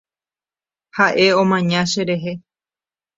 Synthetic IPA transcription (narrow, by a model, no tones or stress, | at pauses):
haʔe̞õ̞mãɲãʃeɾe̞ɦe̞